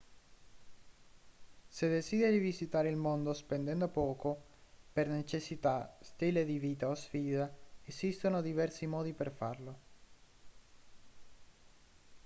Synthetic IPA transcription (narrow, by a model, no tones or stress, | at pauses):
sed̪esid̪eɾivizit̪aːɾeilmond̪ospend̪ɛnd̪opɔːko | pernet͡ʃesːit̪ast̪iːled̪iviːt̪aosfiːd̪aezist̪onod̪ivɛrsimɔːd̪iperfarlo